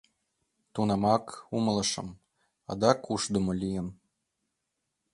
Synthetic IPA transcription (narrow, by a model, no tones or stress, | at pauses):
t̪unɑmɑkumlˠɤ̆ʃɤ̰̆m | ɑd̪ɑkʰuʃd̪ə̆mŏlʲijə̆n